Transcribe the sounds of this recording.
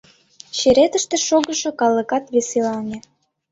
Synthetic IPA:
ɕeɾet̪əʃt̪ĕʃoɣə̆ʃŏkɑlə̆kɑt̪βeselɑnʲĕ

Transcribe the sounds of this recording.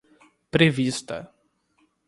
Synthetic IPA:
pɾevist̪ɐ̰

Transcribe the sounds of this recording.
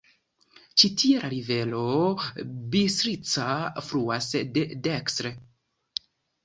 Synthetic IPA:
t͡ʃitʰieɾʔaɾive̞lo̞ | bisɾit͡safɾuasdedekstɾe

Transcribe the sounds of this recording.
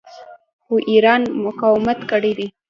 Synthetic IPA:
xoʔiɾɑnmʊkɑwɪmat̪kəɽed̪i

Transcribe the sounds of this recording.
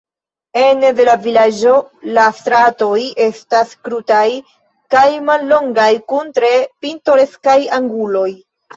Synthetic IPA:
e̞nede̞lavilad͡ʒo̞lastɾato̞je̞staskɾutaj | kajmalːo̞ŋɡajkuntɾe̞pinto̞ɾe̞skajaŋɡulo̞j

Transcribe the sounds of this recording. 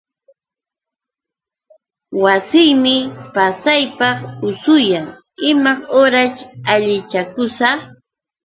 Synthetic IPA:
wasɪjmɪpasajpɑχʊsʊjaŋ | ɪmaχoɾat͡ʃaʎɪt͡ʃakʊsɑχ

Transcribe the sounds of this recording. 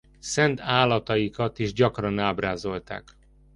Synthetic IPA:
sɛnt̪ʰaːlːɒt̪ɒjikɒt̪iʒɟɒkrɒnaːbraːzo̞lt̪a̰ːk

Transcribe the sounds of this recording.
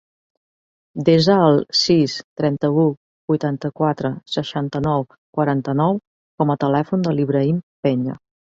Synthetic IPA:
d̪ezəːlˠsist̪ɾɛnt̪əu | bujt̪ant̪əkwat̪ɾəsəʃant̪ənɔw | kwəɾant̪ənɔw | kɔmət̪əlɛfund̪əliβɾəimpɛɲə̰

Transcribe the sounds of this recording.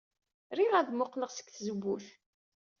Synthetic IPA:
ɾiʁæðmʊqləʁsə̥kθzəbːuθ

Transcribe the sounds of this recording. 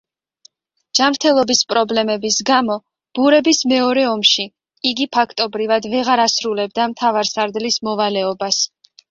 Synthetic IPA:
d͡ʒ̥amɾt̪ʰɛlˠɔbispʼɾɔblɛmɛbisɡamɔ | b̥uɾɛbismɛɔɾɛɔmʃi | iɡipʰakʰt̪ʼɔbɾivad̪vɛʁaɾasɾulɛb̚d̪amt̪ʰavaɾsaɾd̪lismɔvalɛɔbas

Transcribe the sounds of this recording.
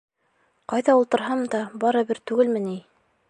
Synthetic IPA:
qɑjðɑulˠt̪ɤ̆ɾɦɑmd̪ɑbɑɾɤ̆bɘɾt̪ʉɡɘlmɘni

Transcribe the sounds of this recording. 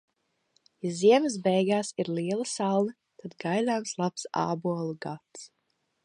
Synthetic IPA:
jaziɛməs̬bɛjɡaːsiɾliɛlˠəsalˠnə | t̪ad̪ɡajd̪aːmslˠapsa̰ːbuɔlˠuɡat̪s

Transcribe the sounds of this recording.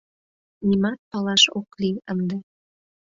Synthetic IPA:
nimɑt̪̚pɑlɑʃokliənd̪e

